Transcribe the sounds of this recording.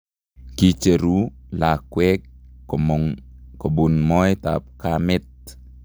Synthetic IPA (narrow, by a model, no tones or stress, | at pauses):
kit͡ʃeɾulakwɛk̚ | kobunmɔjt̪a̰p̚kamɪt̪̚